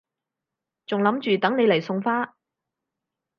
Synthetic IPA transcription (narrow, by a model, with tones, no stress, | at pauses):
t͡sʊ˨ŋlɐ˨˥mt͡ʃyː˨t̪ɐ˨˥ŋne˨˧jlɐ˨˩jsʊ˧ŋfaː˥